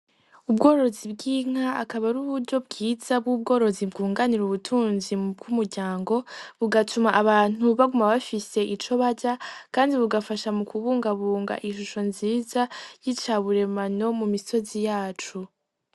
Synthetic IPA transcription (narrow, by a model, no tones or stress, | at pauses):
ubɡo̞ːɾo̞zibɡiːŋ̥aːkaβaɾuβuɾɟo̞bɡiːzabɡub̚ɡo̞ːɾo̞zibɡuːŋɡaniɾuβutʰuːnzib̚ɡumuɾɟaːŋɡo̞βuɡatʰumaʔaβaːn̥uβaɡumaβafise̞ʔit͡ʃo̞βaɟakaːndiβuɡafaʃamukʰuβuːŋɡaβuːŋɡa̰ʔinʃ̬uʃo̞nziːzajit͡ʃaːβuɾe̞mano̞mumiso̞zijaːt͡ʃu